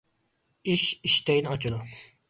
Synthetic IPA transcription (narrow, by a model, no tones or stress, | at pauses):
iʃiʃt̪ʰɛjinɑt͡ʃʰud̪ʊ